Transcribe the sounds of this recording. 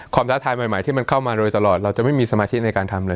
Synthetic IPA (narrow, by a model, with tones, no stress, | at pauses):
kʰwaː˧mt̪ʰa˦˥t̪ʰaː˧jmaː˨˩jmaː˩˦jt̪iː˥˩ma˧nkʰa˥˩wmaː˧ɾɤː˧jt̪a˧lɔː˨˩t̪̚ɾa˧wt͡ɕa˨˩ʔma˥˩jmiː˧sa˧maː˧t̪ʰi˦˥na˧jkaː˧nt̪ʰa˧mlɤː˧j